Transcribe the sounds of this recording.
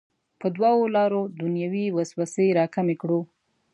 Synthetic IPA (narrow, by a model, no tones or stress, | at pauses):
pəd̪waolɑɾod̪unjawiwasbasəjɾɑkamekɽu